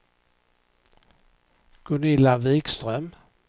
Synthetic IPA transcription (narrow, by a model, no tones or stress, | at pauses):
ɡ̥ʊnɪlaviːkst̪ɾœm